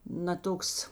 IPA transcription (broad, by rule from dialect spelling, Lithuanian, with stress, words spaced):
nɐ ˈtoːks